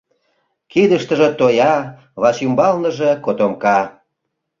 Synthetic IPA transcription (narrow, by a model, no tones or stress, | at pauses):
kid̪əʃt̪ə̆ʒĕt̪ojɑ | βɑʃymbɑlnəʒekot̪omkɑ